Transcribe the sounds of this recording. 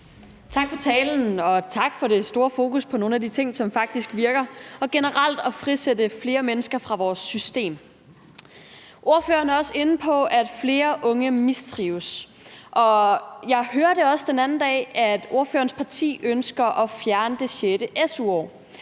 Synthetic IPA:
t͡sʰɑ̈ɡ̥fɒ̽t͡sʰɛːln̩ɒ̽t͡sʰɑ̈ɡ̥fɒ̽ɾe̝sd̥o̝ːɐfo̝ːkuspʰɒ̽no̝ːnæd̥it͡sʰe̝ŋ̰sɒ̽mfɑ̈ɡ̥̚d̥isɡ̥ʋiɐɡ̥ɐɒ̽ɡ̥e̝nəʁɑl̰d̥ɒ̽fʁisedəfle̝ːɐmenəsɡ̥ɐfʁɑ̈ʋɒːsːysd̥e̝̰ːm | ʔo̝ɐfø̰ːɐnæɐɒ̽se̝n̩pʰɒ̽æd̥fle̝ːɐʔɔ̽ŋəmisd̥ʁiːʊs | ʔɒ̽jɑ̈ɪɦøːɐɾ̥e̝ɒ̽səd̥enæn̩d̥ɛ̰ːʔæd̥o̝ɐfø̰ːɐn̩spʰɑ̈t͡sʰḭːønsɡ̥ɐʔɒ̽fjæɐnəd̥e̝ɕeɾəʔesuɒ̰ː

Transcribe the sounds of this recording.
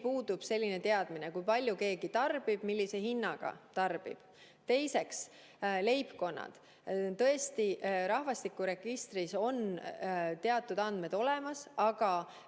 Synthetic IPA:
puːd̪ub̥se̞lʲːine̞t̪e̞ɑd̪̥mine̞kujpɑlʲjuke̞ːɡ̥it̪ɑrb̥ib̥milʲːise̞hinːɑɡ̥ɑ̰t̪ɑrb̥ḭb̥ | t̪e̞jse̞ks | le̞jpko̞nːɑ̰d̪̥ | t̪ɤ̞e̞st̪iʔɾɑhvɑst̪ikːuɾe̞ɡ̥ist̪riso̞n | t̪e̞ɑt̪ːˑud̪̥ɑnd̪me̞d̪o̞lemɑsɑɡ̥ɑ

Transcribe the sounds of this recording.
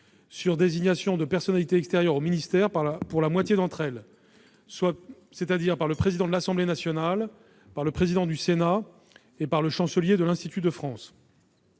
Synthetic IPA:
syʁd̪eziɲasjɔ̃d̪əpɛʁsɔnalit̪eɛkst̪eʁjœʁominist̪ɛʁpapuʁlamwat̪jed̪ɑ̃t̪χɛl | swa | set̪ad̪iʁpaʁləpχezid̪ɑ̃d̪əlasɑ̃blenasjɔnal | paʁləpχezid̪ɑ̃d̪ysena | epaʁləʃɑ̃səljed̪əlɛ̃st̪it̪yd̪əfχɑ̃s

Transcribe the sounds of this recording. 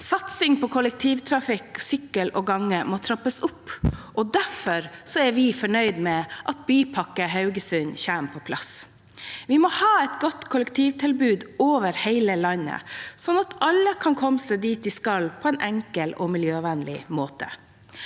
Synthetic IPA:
sɑt̪sɪŋpɔkʰʊlɛk̚t̪ʰiːʋt̪ʰɾɑfɪksʏkːəlɔɡɑŋːəmɔt̪ʰɾɑpːəsʊpːʔɔd̪æfɔɾsɔɛɾʋɪfɔɳœʏd̪mɛʔɑt̪̚byːpʰɑkːəɦɑʉɡəsʉnçæːmpʰɔpʰlʔɑ̰s | ʋɪmɔhɑːɛt̪ɡɔt̪kʰʊlɛkt̪ʰiːʋt̪ʰɪlbʉːd̪oːʋəɾheɪləlɑnːə̰sɔnːɑt̪ɑlːəkʰɑnkʰɔmːəsəd̪iːt̪ɪskɑlːpʰɔɛnʔɛŋkəlɔmɪljøːʋɛnlɪ̰moːt̪ə̰

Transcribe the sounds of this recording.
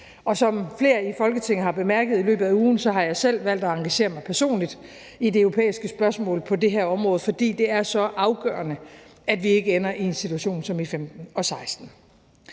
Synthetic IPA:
ɒ̽sɒ̽mfle̝̰ːɐifɒ̽lɡ̥ət͡sʰe̝ŋ̰əɦɑ̈b̥e̝mæɐɡ̥əð̩ˠilø̰ːb̥ð̩ˠæuːn̩sɒ̽ɦɑ̈jɑ̈ɪsel̰ʋæl̰d̥ɒɑ̈ŋɡ̥æɕe̝̰ːɐmɑ̈ɪpʰæɐso̝̰ːnlid̥ | ideøʊʁo̝pʰḛːisɡ̥əsb̥ɶɐsmɔ̰̽ːlpʰɒ̽de̝ɦæɐɒ̽mʁɔ̽ːð̩ˠfɒ̽d̥ḭːd̥e̝æɐsɒ̽ʔɑ̈ʊɡ̥ɶ̰ːɐnəæd̥ʋie̝ɡ̥əenɐʔie̝nsit͡sʰuæɕo̝̰ːnsɒ̽mifemd̥n̩ɒ̽sɑ̈ɪsd̥n̩

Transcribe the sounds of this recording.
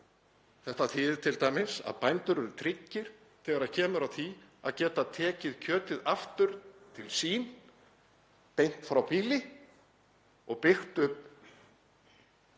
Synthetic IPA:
θɛht̪aθɪːðɪɾt̪ʰɪlt̪ajmɪnsa̰ðpajnt̪ʏɾɛɾʏt̪ʰɾɪcːɪɾ̥ | θɛːɣaɾaðcʰɛːmʏɾawθia̰ðcɛːt̪at̪ʰɛːcɪðcʰœːt̪ɪðaft̪ʏɾ̥t̪ʰɪlsiːn | pejn̥t̪fɾawpiːlɪ | ɔɣpɪxt̪ʏpː

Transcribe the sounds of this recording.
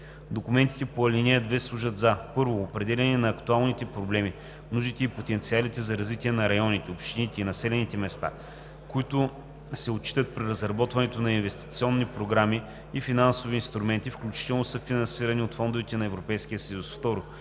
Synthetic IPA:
d̪okumɛnt̪i̥t̪ɛpoɐlʲinɛd̪vɛslˠuʒəd̪zapɤɾvoːpɾɛd̪ɛlʲɛnɛnɐːkt̪ualˠnit̪ɛpɾoblɛmi | mnuʒit̪ɛipot̪ɛnt̪sialit̪ɛzɐɾɐzvit̪iɛnɐɾɐjɔnit̪ɛopʃt̪init̪ɛinɐsɛlɛnit̪ɛmɛst̪a̰ | koit̪ʊ | sɛot͡ʃːi̥t̪ət̪̚pɾiɾɐzɾɐbɔt̪vɐnɛt̪onɐinvɛst̪i̥t̪siɔnːipɾoɡɾamiː | finansoviːnst̪ɾumɛnt̪ifklʲut͡ʃi̥t̪ɛlˠnʊsəfinɐ̃nsiɾɐniot̪fɔnd̪ʊvit̪ɛnɐɛvɾopɛjsk̟ijəsɐjusft̪ɔɾʊ

